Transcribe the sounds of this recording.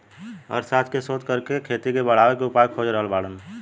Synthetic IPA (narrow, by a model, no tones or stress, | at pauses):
ɔ̰ːɾsaːt̪ʰkesoːt̪kəɾkekʰeːt̪ikebəɽ̤aʋekeʊpakʰoːd͡ʒɾəɦəlbaːɽən